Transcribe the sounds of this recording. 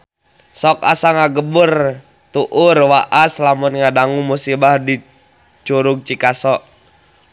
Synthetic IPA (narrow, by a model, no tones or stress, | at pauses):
sɔk̚a̰saŋaɡəbər | t̪uʔʊrwaʔaslamunŋadaŋumusibahdi | t͡ʃuɾuɡ̚t͡ʃikasɔʔ